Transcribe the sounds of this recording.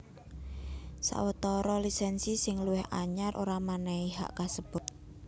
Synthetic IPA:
sa̰wət̪ɔɾɔlisɛnsisɪŋluwɪhaɲaɾʔo̰ɾamanɛiɦa̰ʔkasəb̥ʊ̤t̪̚

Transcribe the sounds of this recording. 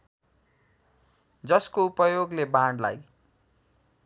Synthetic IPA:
d͡zʌskoupʌjoɡlebãɽla̰j

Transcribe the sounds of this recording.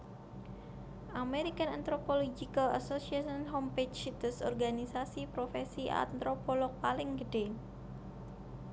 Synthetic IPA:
ʔameɾikanant̪ɾopolod͡ʒikala̰sosiasɔnɦomped͡ʒsit̪əsɔ̰rɡanisasipɾofɛsiʔa̰nt̪ɾopɔlɔk̚palɪŋɡəɖ̥e

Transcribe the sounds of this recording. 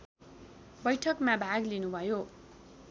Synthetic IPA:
bʌjʈʰʌkmãbʱaɡlinubʱʌjo

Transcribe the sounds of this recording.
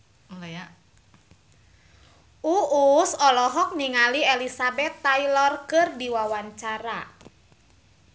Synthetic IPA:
laja | ʔuusɔlɔɦɔk̚niŋalielisabɛt̪ːailɔrkɨrdiwawaɲt͡ʃaɾa

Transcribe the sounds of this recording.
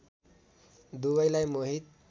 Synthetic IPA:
d̪uʋajlajmoɦiːt̪̚

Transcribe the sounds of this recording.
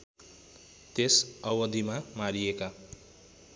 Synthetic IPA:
t̪esʌwʌd̪imamaɾijeka

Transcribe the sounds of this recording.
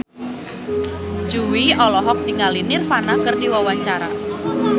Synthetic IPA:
d͡ʒuwiɔlɔɦɔk̚d̥iŋalinɪrfanakərdiwawaɲt͡ʃaɾa̰

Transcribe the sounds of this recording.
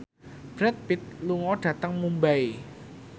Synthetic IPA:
b̥ɾɛt̪̚pɪt̪̚luŋɔɖ̥ä̤t̪əŋmumbai

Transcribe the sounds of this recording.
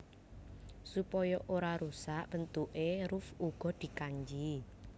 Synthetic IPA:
supɔjɔʔoɾaɾusaʔb̥ənt̪uʔeɾufuɡ̥ɔ̤d̪̥i̤kaɲd͡ʒi

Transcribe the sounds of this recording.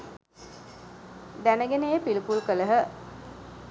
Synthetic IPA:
d̪ænəɡenejəpilipulkələɦə

